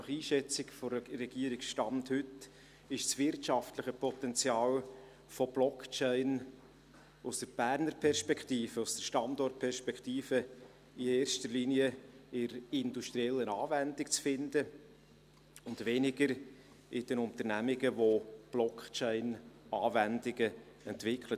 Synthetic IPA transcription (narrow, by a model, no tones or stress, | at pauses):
nɑχiːʃɛt͡sɪkfɔrɛɡiəɾɪksʃtɑmthʏt | ɪʃsvɪrtʃɑftləχəpʰɔt̪ɛnt͡sjɑːl | fob̥lɔkt͡ʃɛɪn | ʊsd̥əɾb̥æːɾnəɾpʰɛrʃpɛkχtiːfəʊsd̥əɾʃtɑndɔrt̚pʰɛrʃpɛkʰtiːfə | ieːɾʃtəɾliːniəɪɾɪnduʃtɾiɛlːənɑːvɛndɪkt͡sfɪndə | ʊndʋɛnɪɡəɾ | ɪd̥ɛnʊnt̪əɾnæmɪɡəvob̥lɔkʰt͡ʃɛɪnɑːvɛndɪɡə | ɛntvɪkʰlət